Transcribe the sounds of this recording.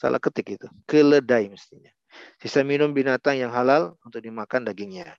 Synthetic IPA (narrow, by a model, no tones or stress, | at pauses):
sa̰lʔa̰hkət̪ɪkit̪ukələdaiməst̪iɲa | sisaminʊmbinat̪aŋjaŋɦalalunt̪ʊk̚dimakandaɡɪŋɲa